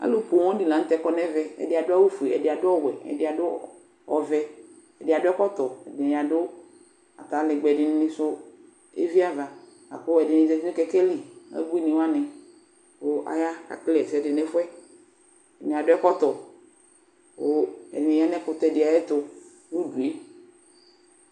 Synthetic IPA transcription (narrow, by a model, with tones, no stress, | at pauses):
a̰˦lo˦ko˨w̃ɔ̃˦di˨lã˨n̩˦t̪ɛ˦kɔ˦nɛ˦vɛ˨ɛ̰˨dɪ˨a˨dʊ˦a˦wu˦fu˨e˨ɛ̰˨dɪ˨a˨dʊ˦ɔ˦wɛ˨ɛ̰˨dɪ˨˦a˨dʊ˦ | ɔ̰˨vɛ˦ | ɛ˨dɪ˨a˨dʊ˦ɛ˦kɔ˦t̪ɔ˨ɛ̰˨d̃ja˨dʊ˦ | a̰˨t̪a˨˦lɪ˨ɡ͡bɛ˨dɪ˨n˦nɪ̃˦sʊ˦ | ḛ˦vi˦a˦va˨ | a̰˨ko˦ɛ˨dɪ˨nɪ̃˨zɛ˨vi˦nũ˦kɛ˨kɛ˦li˨ɛ̰˦bu˦i˦nɪ̃˨wa˦nɛ̃˨ | wo˦ʔa̰˨ja˦ka̰˨klɛ˨sɛ˨dɪ˨nɛ̃˦fɛ˦ | ɛ˨nĩ˨a˨dʊ˦ɛ˦kɔ˦t̪ɔ˨ | wo˦ɛ̰˨dnɛ̃˨˦a˦nɛ̃˦kʊ˨t̪ɔ˦ɛ˨dɪ˨a˨jɛ˦t̪ʊ˦ | wu˦du˨e˦